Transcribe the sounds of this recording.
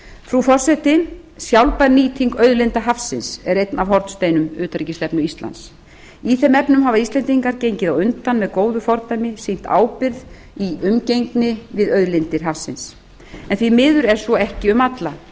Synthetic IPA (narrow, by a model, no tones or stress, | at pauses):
fɾufɔr̥sɛt̪ɪsjawlpaɾniːt̪ʰiŋkœɥðlɪnt̪aɦafsɪnsɛɾejt̪navɦɔɾt̪st̪eːjnʏmʏːt̪aɾicɪst̪ɛpnʏist̪la̰ns | iθɛmɛpnʏmɦavaist̪lɛnt̪iŋkaɾcejɲcɪðawʏnt̪anmɛðkoːwðʏfɔɾt̪ajmɪsijm̥t̪ʰa̰ːwpɪɾð | iʏmcejŋknɪvɪðœɥðlɪnt̪ɪɾ̥ɦafsɪ̰ns | ɛnθvimɪːðʏɾɛɾ̥svɔɛhcɪʏmat̪la